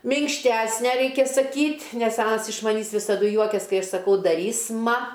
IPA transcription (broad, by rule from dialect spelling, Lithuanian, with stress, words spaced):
mʲɪŋkʃʲˈtʲæsʲnʲɛ ˈrʲɛɪkʲɛ sɐˈkʲiːtʲ nʲɛs ˈɑːnɐs ɪʃ mɐˈnʲiːs ʋʲɪsɐˈdʊ ˈjuɔkʲɛs ˈkɐɪ ˈɐʃ sɐˈkɐʊ dɐˈrʲiːsʲmɐ